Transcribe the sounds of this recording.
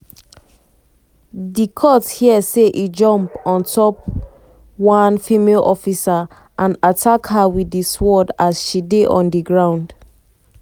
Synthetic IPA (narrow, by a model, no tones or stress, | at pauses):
dikʰɔthiɛseʔid͡ʒɔ̃mpɔ̃ntʰɔp | wãnfimelʔɔfisa | ʔãnatʰakhawidiswɔdasʃideʔɔ̃ndiɡɹãʊ̃nd